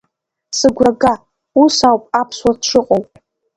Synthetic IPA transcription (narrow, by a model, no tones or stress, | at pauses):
sɨɡʷraɡa | usawpʼapʰswaʈ͡ʂʷʰɨqʼowpʼ